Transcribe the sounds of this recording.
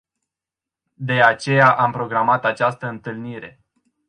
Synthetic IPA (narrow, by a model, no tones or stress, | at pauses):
d̪e̞at͡ʃe̞jaʔampɾo̞ɡɾamat̪at͡ʃast̪əɨnt̪ɨlniɾe̞̰